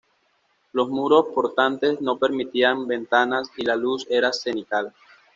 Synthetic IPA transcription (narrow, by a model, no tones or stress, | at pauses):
lo̞zmuɾo̞spo̞ɾt̪ant̪e̞sno̞pe̞ɾmit̪iambe̞nt̪anasilaluse̞ɾasenikal